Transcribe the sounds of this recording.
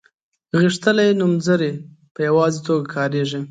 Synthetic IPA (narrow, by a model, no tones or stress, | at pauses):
ɣiʂt̪əlajenumzəɾe | pəjawɑzet̪oɡakʰɑɾeʐi